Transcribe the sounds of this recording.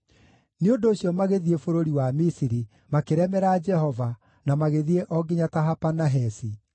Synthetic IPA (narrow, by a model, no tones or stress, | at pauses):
neondoːɕjɔmaɣeðiefoɾoɾiwamisiɾi | makeɾɛmɛɾaːd͡ʒɛhɔva | namaɣeðieʔɔɡeɲataɦapanaɦɛsi